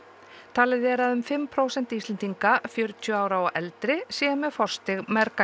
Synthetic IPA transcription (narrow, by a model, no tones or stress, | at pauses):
t̪ʰaːlɪðɛɾaðʏmfɪmːpʰɾoːwsɛnt̪iːst̪lɛnt̪iŋkafjœɾt̪ʰjʏaːwɾawaʔɛlt̪ɾɪsjɛːmɛfɔr̥st̪ɪɣmɛɾka